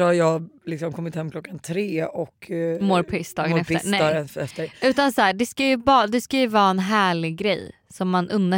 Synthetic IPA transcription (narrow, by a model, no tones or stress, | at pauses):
hajɑːlɪksɔmkʰɔmːɪt̪hɛmːkʰlɔkːant̪ʰɾeːɔkmoːɾpʰɪst̪ɑːɡnɛfɾnɛɾɛft̪əʉ̟ːt̪ansɔæːɖɛskajɵbɑːd̪ɛskajɵvɑːɛnɦæːɭɪɡɡɾɛ̰j | sɔmːanʔɵnːə